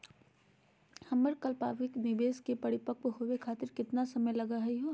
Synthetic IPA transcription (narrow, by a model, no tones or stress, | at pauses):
hɐməɾkɐlpaːʋɪknɪbeːskepɐɽɪpəkʋɦoʋekʰaːt̪ɪɾkɪt̪nasɐməjlɐɡaɦɐiɦo